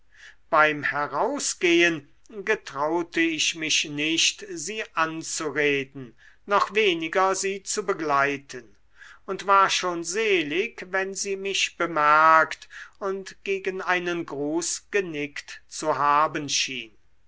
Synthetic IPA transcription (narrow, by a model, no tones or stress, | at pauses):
b̥aɪmhɛʁaʊsɡ̥eːən | ɡətʁ̥aʊtəɪʃmɪʃnɪʃtziːʔant͡suʁeːdn̩ | nɔχveːnɪɡɐziːt͡subəɡlaɪtʰən | ʊntv̥aːɐʃoːnzeːlɪkvɛnziːmɪʃb̥əmɛɐktʊntɡ̥eːɡənaɪnənɡʁuːsɡ̥ənɪktt͡suɦaːbənʃḭːn